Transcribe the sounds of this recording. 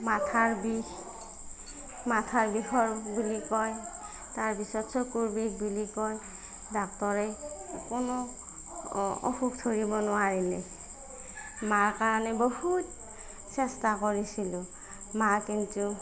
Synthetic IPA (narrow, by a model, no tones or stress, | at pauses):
matʰaɹbi | matʰaɹbixɔɹbulikɔj | taɹpisɔtsɔkuɹbikbulikɔj | dɔk̚tɔɹɛkɔnɔ | ɔ̰xuk̚tʰoɹibɔnʊaɹilɛ | maɹkaɹanɛbɔhut̚ | sɛstakɔɹisilʊ | makintu